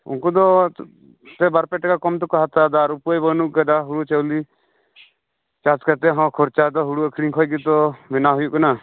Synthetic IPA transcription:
ṵnkud̪ɔ | t̪ɛbaɾpɛʈakakɔmt̪ɔkɔɦat̪ad̪aɾupuajbənuʔkad̪aɦuɽut͡ʃəwli | t͡ʃat͡ʃkat̪ɛɦɔ̃kʰɔɾt͡ʃad̪ɔɦuɽuəkʰɾiŋkʰɔjkit̪ɔmɛnaɦujuʔkana

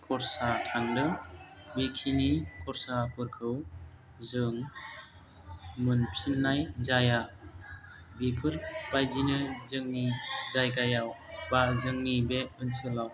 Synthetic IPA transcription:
kʰɔɾsatʰaŋdɯ | bikʰinikʰɔɾsapʰɯɾkʰɯw | zɯŋ | mɯnpʰinːajzaja | bipʰɯɾbajdinɯzɯŋnizajkajawb̥azɯŋnibeɯnsɯlaw

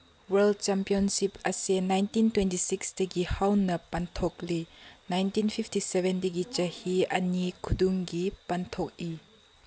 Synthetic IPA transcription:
wɐld̚t͡ʃɛmpiɔnsipɐsenajntintwɛntisikstiɡihawnɐpɐntʰɔk̚linajntinpʰiptisɛbɛndiɡit͡ʃɐhiɐnikʰuduŋɡipɐnt̪ʰɔk̚i

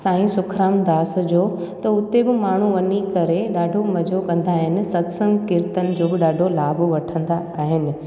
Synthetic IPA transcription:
sãːĩsʊkʰɾaːmd̪aːs̆d͡ʑoːt̪ɐʊt̪ebɪmaːɳ̤uʋɐnikɐɾeɗaːɖʱomɐd͡ʑʱokɐ̃nd̪aːɦɪnɪ̆sɐt̪sə̃ŋɡkɪɾt̪ənɪ̆d͡ʑoːbɪɗaːɖʱolaːboʋɐʈʰə̃nd̪a | aːɦɪnɪ̆

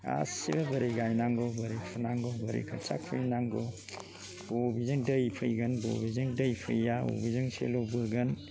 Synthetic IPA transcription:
a̰sibabɐɾijɡajnaŋɡɔbɐɾipʰunaŋɡɔbɐɾḭkʰɐt͡ʃa̰kʰɯjnaŋɡɔ | bobizɯŋdɐjpʰɐjɡɐnbo̰bizɯŋdɐjpʰɐjːao̰bizɯŋsḛlobɯɡɐn

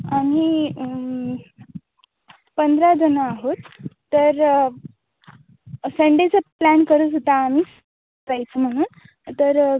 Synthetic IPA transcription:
ami | pənd̪ʱɾad͡zənaːɦot̪ː | əɾ | səɳɖet͡səplænkəɾuːt͡sot̪aːmiːs | d͡zajt͡səm̤əɽ̃uːn | t̪əɾ

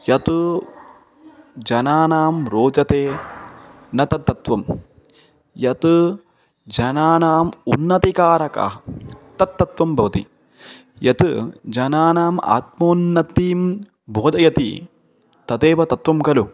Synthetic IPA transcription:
jɐt̪u | d͡ʒɐnaːnaːmɾoːd͡ʒɐt̪eː | nɐt̪ɐt̪ːɐt̪ʋɐm | jɐt̪ɨ | d͡ʒɐnaːnaːmunːɐt̪ikaːɾɐkɐ̰ɦɐt̪ɐt̪ːɐt̪ʋɐmbʱɐʋɐt̪ḭ | jɐt̪ɨd͡ʒɐnaːnaːma̰ːt̪̚moːnːɐt̪ːiːm | bʱoːd̪ʱɐjɐt̪ḭ | t̪ɐt̪eːʋɐt̪ɐt̪ʋɐmkɐlu

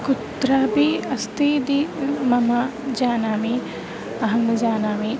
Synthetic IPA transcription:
kut̪ɾaːbiɐst̪iːd̪imɐmad͡ʒaːnaːmi | ɐɦɐmd͡ʒaːnaːmi

